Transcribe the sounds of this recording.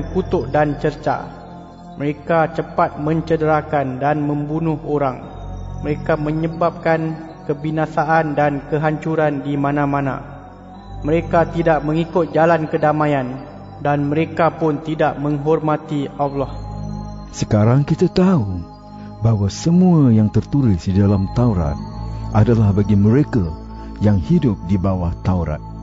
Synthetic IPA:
kut̪ʊʔdant͡ʃərt͡ʃa̰ | məɾekat͡ʃəpat̪̚mə̃ɲt͡ʃədəɾakandanmə̃mbunʊhoɾaŋ | məɾekamə̃ɲəbap̚kan | kəbinasaʔandankəɦaɲt͡ʃuɾandimãnãmãnã̰ | mə̃ɾekat̪idaʔmə̃ŋikʊt̪̚d͡ʒalankədamãjan | danmə̃ɾekapʊnt̪idaʔmə̃ŋɦɔrmãt̪iʔalɔh | səkaɾaŋkit̪at̪au | bawasəmũajaŋt̪ərt̪ulɪsdidalamt̪auɾa̰t̪̚ʔadalahbaɡimə̃ɾeka | jaŋhidʊp̚dibawaht̪auɾa̰t̪̚

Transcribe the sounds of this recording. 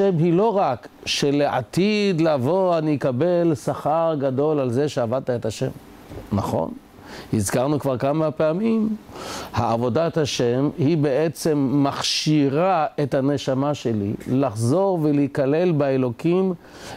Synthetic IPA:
emɦilo̞ʁakʃeleʔa̰t̪id̪lavo̞anijkabe̞lsaχaʁɡado̞lalze̞ʃeavad̚t̪aetaʃe̞̰m | naχo̞̰n | hizkaʁnukvaʁkamapeamimhaavo̞dataʃemhibeet͡se̞mːaχʃiʁaethane̞ʃamaʃe̞lḭlaχzo̞ʁveleikale̞lbaelo̞kim

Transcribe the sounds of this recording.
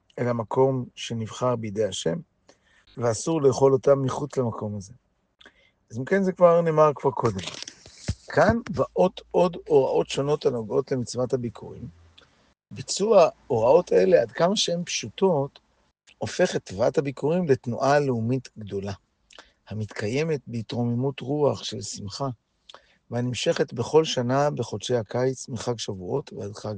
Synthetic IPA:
elamakʰo̞mʃe̞nivχaʁbejd̪e̞jaʃe̞m | veasuʁlejːχo̞lo̞tamːiχut͡slamako̞maze̞ | azimke̞nzekvaʁneːmaʁkv̥aʁkʰo̞de̞m | kʰanvaʔo̞to̞do̞ʁaʔo̞tʃo̞no̞tanoɡo̞tle̞mit͡svathabikʰuʁḭm | bit͡suao̞ʁao̞tʰae̞leadkamaʃee̞mpʃuto̞t | o̞fe̞χet̪ːvathabikʰuʁimle̞tnuʔaleumitɡdo̞la | hamit̪kʰaje̞me̞t̚beitʁo̞memutʁuaχʃe̞lsimχa | vehanimʃe̞χetbe̞χo̞lʃanabe̞χo̞dʃe̞jhakajt͡smiχaɡʃavuo̞tveadχaɡ

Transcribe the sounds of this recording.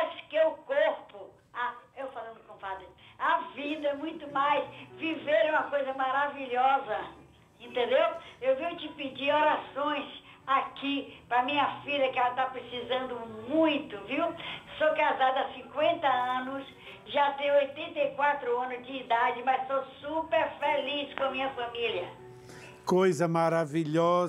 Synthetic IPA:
skeʊkoɾpʊ | aewfalɐ̃nd̪ʊkõfad̪ɪavid̪ɐɛmũj̃t̪ʊmajsviveɾɛ̃mɐkojzɐmaɾaviʎɔzɐ | ẽnt̪ẽnd̪ewewvĩjt͡ʃɪpɪd͡ʒioɾasõj̃s | akipɾɐmĩɲɐfiʎɐkɪɛlɐt̪apɾesizɐ̃nd̪ʊmũj̃t̪ʊviwsokazad̪ɐasĩkwẽnt̪ɐɐ̃nʊs | ʒat̪ẽj̃ojt̪ẽnt̪ejkwat̪ɾʊɐ̃nʊzd͡ʒɪːd̪ad͡ʒɪmɐzt̪osupeɾfeliskõɐmĩɲɐfɐ̃miljɐ | kojzɐmaɾaviʎɔ

